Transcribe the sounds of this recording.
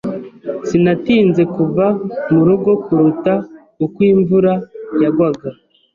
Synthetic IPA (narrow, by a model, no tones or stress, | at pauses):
sinatiːnze̞kuvamuɾuɡo̞kuɾuta | ukwiːɱvuɾajaɡwaɡa